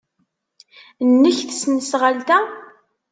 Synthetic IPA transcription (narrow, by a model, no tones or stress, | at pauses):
nːəçθə̥snsʁalt̪æ